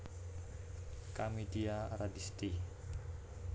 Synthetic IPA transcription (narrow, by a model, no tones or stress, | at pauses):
kamidiaɾadist̪i